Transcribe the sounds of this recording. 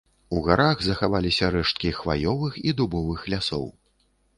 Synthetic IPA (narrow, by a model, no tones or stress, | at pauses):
uɣaɾaɣzɐxavalʲisʲɐɾɛʂt̪̚kʲixva̰jɔvɨxid̪ubɔvɨxlʲasɔ̰w